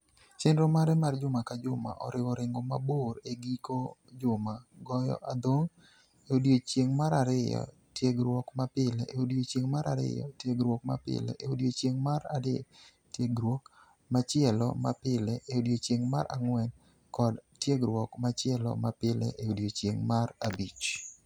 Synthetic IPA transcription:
t͡ʃɛnɾɔmaɾɛmard͡ʒʊmakad͡ʒʊma̰ʔɔ̰ɾɪwɔɾɪŋɡɔmaboɾeɡikod͡ʒʊmaɡɔjɔ̰ʔad̪oŋ | eodiot͡ʃjeŋmaɾaɾɪjɔ̰ | tjeɡɾwɔkmapɪlɛʔeodiot͡ʃeŋmaɾaɾɪ̰jɔ̰tjeɡɾwok̚ma̰pɪ̰lɛ̰ʔeodijot͡ʃjeŋmaɾade | tjeɡɾwok | mat͡ʃjɛlɔ̰mapɪlɛʔeodjot͡ʃjeŋma̰ɾʔa̰ŋwɛn | kɔdtjeɡɾwɔkmat͡ʃɪɛlɔ̰mapɪlɛ̰ʔeodjot͡ʃjeŋmarabit͡ʃ

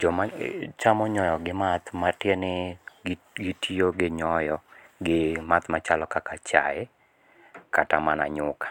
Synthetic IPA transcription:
d͡ʒɔmat͡ʃamɔɲɔjɔɡɪmat̪matjenɪ | ɡɪtʰioɡɪɲɔjɔɡɪmat̪mat͡ʃalɔkakat͡ʃa̰ɛ | katamana̰ɲʊkḁ

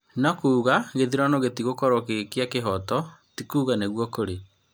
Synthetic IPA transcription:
nɔkuːɣaɣeðiɾɔnoɣetiɣokɔɾɔkekeakeɦɔtɔtikuːɣaneɣwɔkoɾe

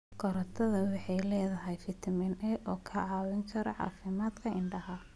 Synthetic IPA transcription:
ɡɔɾɐt̪ʰɐðɐwɑħɑjlɛːðɐɦɛjfɪt̪ʰmɛnɛʔɔːkʰɐʕɑːwɪŋkʰɐɾɐ̰ʕɑ̰ːfɪmaːd̪kʰɐʔɪɳɖɐɦɐ

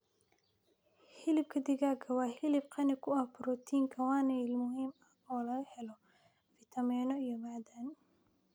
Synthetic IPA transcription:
hɪlɪb̚kʰɐd̪ɪɣaːɡʰɐwɑːhɪlɪb̚qʰɑnɪkʰʊɐhbʊɾɔt̪ʰiːŋkʰɐwɑːnɐlmʊɦiːmɐ | ɔːlɐɣɐhɛlɔ | fɪt̪ʰɐmɛːnɔijɔmaːd̪aːn

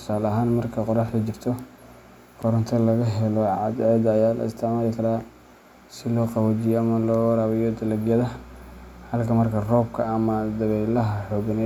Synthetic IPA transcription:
t̪ʰʊ̥saːlɐɦaːnmɐrkʰɐqʊɾɑħd̪ɐt͡ʃɪrt̪ʰɔ | kʰɔɾɐnt̪ʰɐlɐɣɐɦɛlɔʕɑ̰d̪ʕɛd̪ːjaːlɐ̰ɪ̰st̪ʰaːmɐðɪkʰɐɾaː | sɪlɔːqɑwad͡ʒɪjɔɐmɐlɔːwɐɾaːwɛjɔd̪ɐlɐɡjɐðɐ | hɐlkʰɐmɐrkʰɐrɔːb̚kʰɐːmɐd̪ɐβɛːlɐɦɐħɔːɡɐnɛ

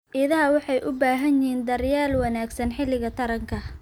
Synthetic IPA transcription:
ʔɪðɐɦɐwɑħɑjʔʊbaːɦɐnɪɦiːnd̪ɐrjaːlwɑnaːɡsɐnħɪlɪɣɐt̪ʰɐɾɐŋkʰɐ

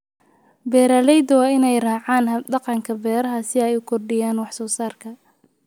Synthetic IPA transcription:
bɛːɾɐːlɛjd̪ɐwɑːɪnɛjraːʕɑːnɖɑqɑŋkʰɐbɛːɾɐɦɐsɪɛjkʰɔrɖɪjaːnwɑħsɔːsaːrkʰɐ

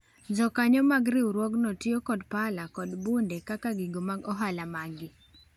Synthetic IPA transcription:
nd͡ʒɔkaɲɔmaɡɾɪwɾwɔɡnɔtɪɔkɔdpalakɔdbundɛkakaɡiɡomaɡɔɦalamaɡɪ

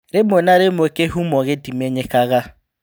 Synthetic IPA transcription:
ɾemonaɾemokeɦumɔɣedimeɲekaɣa

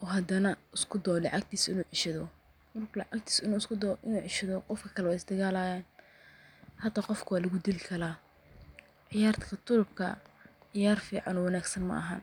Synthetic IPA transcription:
ʔɔːɦɐd̪ɐnɐʔɪskʰʊd̪ɔːlɑ̰ʕɑɡ̚t̪ʰiːsɪnuːʕɪʃɐðɔ | mɐrkʰʊlɑʕɑk̚t̪ʰiːsɪnuːɪskʰʊd̪ɔːʔɪnuːʕɪʃɐðɔqɔfkʰɐ̥kʰɐlɛwɛɪsd̪ɐɣaːlaːjaːn | hɐd̪aqɔfkʰʊwaːlɐɣʊd̪ilkʰɐlaː | ʕɪjaːrt̪kʰɐt̪ʰʊlʊb̚kʰɐ̰ʕɪjaːrfiːʕɑnɔwɑnaːɡsɐnmɐ̰ʔɐɦɐn

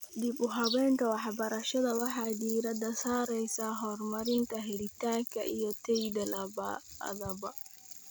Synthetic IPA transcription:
dibuɦabɛntɔwaħabaɾaʃɔdawaɦadiːɾadasaɾɛjsaɦɔɾmaɾintaɦeɾitakaʔijɔtejdalaba̰a̰ðaba

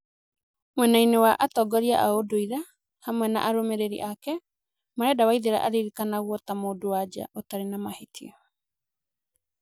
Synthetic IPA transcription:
mwɛnainewaʔatɔɡɔɾiaʔaodoiɾa | hamwɛna̰ʔaɾomeɾeɾḭʔakɛ | maɾɛdawaiðeɾa̰ʔaɾiɾikanaɣwɔtamoːdowad͡ʒa̰ʔotaɾenamahetʰḭɔ

